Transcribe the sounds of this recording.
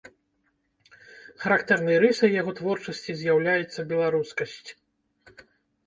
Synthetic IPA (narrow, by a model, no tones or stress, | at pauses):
xɐɾakt̪ɛrnɨjɐɾɨsɐjjaɣɔt̪vɔrt͡ʂɐsʲt͡sʲizʲjawlʲajɛt̪sːɐbʲɛlˠaɾuskɐsʲt͡sʲ